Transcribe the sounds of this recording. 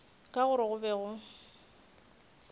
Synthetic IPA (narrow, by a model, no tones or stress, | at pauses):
kʼaɣʊɾɪɣʊbɛɣʊ